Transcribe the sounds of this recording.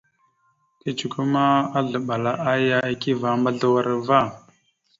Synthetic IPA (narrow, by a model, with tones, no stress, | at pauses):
ti˦t͡ʃu˨ku˦ma˦a˦ɮə˨ɓa˨la˦ʔa˦ja˦e˨ki˦va˨˦mba˦ɮə˦wa˦˨ɾa˨va˦˨